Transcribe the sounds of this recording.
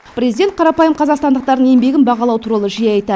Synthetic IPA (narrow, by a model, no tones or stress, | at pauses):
pʰrʲezid̪e̞nt̪qʰɑɾɑpɑjəmqʰɑzɑʁqst̪ɑnd̪əq̚t̪ɑɾd̪əŋembe̞ɡʲɪnbɑʁɑlˠɑwt̪ʰuɾɑlˠəʒijɑɑjt̪ɑ